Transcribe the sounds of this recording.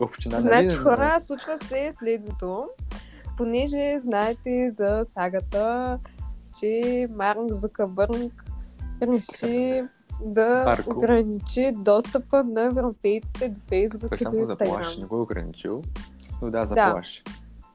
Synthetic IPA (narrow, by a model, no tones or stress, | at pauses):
opʃt̪inaznnat͡ʃixɔɾəslˠut͡ʃvəsɛslɛd̪not̪o | ponɛʒɛznaɛt̪ɛzɐsaɡət̪ə | t͡ʃɛmaɾŋkzukəbəɾŋkɾɛʃi | d̪ɐɾoɡɾɐnit͡ʃid̪ɔst̪əpənɐɛvɾopɛjt̪si̥t̪ɛd̪ofɛjzbukioiĩnɐt̪ɐɡˠɾaɾʃamnɛɡɔɛoɡɾɐ̰nḭt͡ʃḭlˠ | nod̪azɐd̪aaʃ